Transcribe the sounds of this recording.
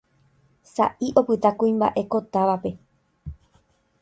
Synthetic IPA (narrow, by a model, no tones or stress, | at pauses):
sa̰ʔiʔo̞pɨt̪akũĩmba̰ʔe̞ko̞t̪aʋape̞